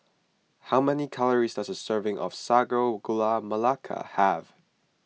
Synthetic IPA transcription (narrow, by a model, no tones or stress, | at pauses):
haʊmɛnikʰaləɹisdʌsəsɜ˞vɪ̃ŋʔɔ̰v̥saɡoɡulaməlakʰə̰həv̥